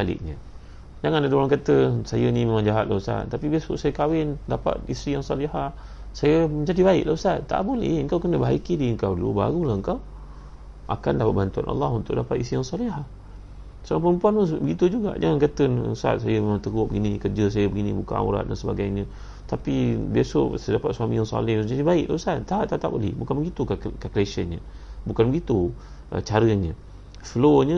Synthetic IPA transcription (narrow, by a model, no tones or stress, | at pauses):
alɪ̰ʔɲə | d͡ʒaŋandadolankət̪əsajənimemaŋd͡ʒaɦat̪̚lʔaəsa̰t̪t̪apibiasṵsajəkawɪndapa̰t̪̚isɾijaŋsɑliɦah | sajəmə̃ɲd͡ʒadibaɪʔ̚lausat̪t̪a̰ʔbolɛ̰həŋkawkənəbəɦaikidiəŋkawdulṵba̰ɾulahəŋkaw | ʔa̰kandapat̪̚bant̪ua̰nʔɑ̰lːɑhunt̪ʊʔdapat̪isijaŋsɑliɦah | saapəɾəmpuanmubəɡit̪ud͡ʒuɡa̰ʔd͡ʒaŋankət̪ən̰sa̰t̪̚sajəmemaŋt̪əɡʊʔ̚bəɡinikərd͡ʒəs̬ajəbəɡinibuka̰a̰uɾa̰t̪̚dansəba̰ɡajɲə | t̪apibiesosədapat̪̚suamijaŋsa̰lɪhsud͡ʒaɲəbaɪʔ̚laəsant̪aaʔt̪ːat̪apo̰lḭbukanbəɡit̪ukakakleʃənɲə | bukanbəɡit̪u | ʔə̰t͡ʃaɾəɲə̃ | floɲə